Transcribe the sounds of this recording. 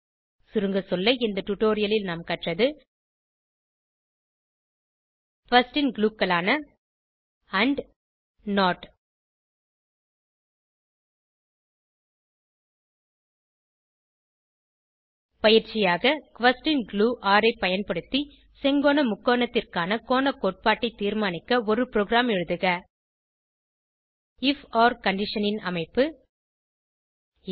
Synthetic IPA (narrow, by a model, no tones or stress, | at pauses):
sʊɾɯŋɡɐsɔlːɐɪnd̪ɐʈʊʈːoːɾɪjɐlɪlnaːmkɐʈrɐðɯ | kʋɐsʈɪnɡluːkːɐlaːnɐ | ɐɳɖ | noːʈ | pɐjɪɾt͡ʃɪjaːɣɐkʋɐsʈɪnɡluːʔaːɾɐɪpɐjɐnpɐɽɯt̪ːi | sɛŋɡoːnɐmʊkːoːnɐt̪ːɪrkaːnɐkoːnɐkoːʈ̚paːʈːɐɪt̪ːiːɾmaːnɪkːɐɔɾɯpɪɾoːɣɾaːmɛɻɯðɯɣɐ | ɪfaːɾkɐɳɖɪʂɐnɪnɐ̰mɐɪpːɯ